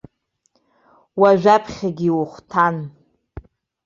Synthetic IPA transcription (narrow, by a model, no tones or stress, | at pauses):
waʒʷᶣapʰχʲaɡʲiwuχʷtʰan